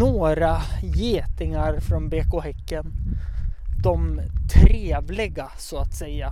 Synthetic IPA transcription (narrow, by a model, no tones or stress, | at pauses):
oːɾajeːt̪ɪŋaɾfɾɔnbeːkʊhɛkːən | d̪ɔmt̪ʰɾeːvlɪɡasɔat̪sɛjːa